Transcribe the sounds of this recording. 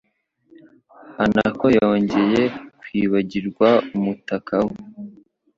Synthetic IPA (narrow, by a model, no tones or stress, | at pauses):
ana̰ko̞jo̞ːɲɟe̞je̞kwiːβaɟiɾɡwaumutakʰawe